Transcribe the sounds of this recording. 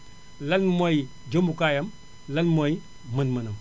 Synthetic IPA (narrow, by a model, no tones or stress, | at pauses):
lɐnmoj | d͡ʒomukajɐm | lɐnmoj | mɐnmɐnɐm